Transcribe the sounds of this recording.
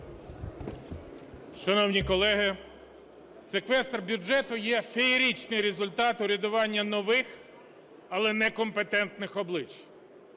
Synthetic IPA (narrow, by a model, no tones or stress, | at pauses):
ʃɐnɔwnʲikɔlˠɛɦɪ | sekʋɛst̪rbʲʊd͡ʒɛt̪ʊjɛfʲeiɾʲit͡ʃnɪjɾezʊlʲt̪ɑt̪ʊɾʲɐd̪ʊʋɑnʲːɐnɔʋɪx | ɐlˠɛnɛkɔmpet̪ɛnt̪nɪxɔblˠɪt͡ʃ